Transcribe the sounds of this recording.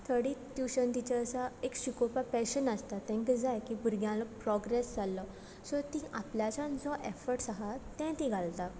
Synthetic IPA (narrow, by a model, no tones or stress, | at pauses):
t̪ʰəɽit̪juɕənt̪it͡ɕaəsaekɕikopapɛɕənast̪at̪ɛ̃ŋkəd͡zajkipuɾɡjãlɔpɾɔɡɾesd͡zalːɔ | sɔt̪ĩʔapljat͡ɕãnd͡zɔʔefəɾʈsəɦat̪ɛ̃t̪ĩɡʱalt̪a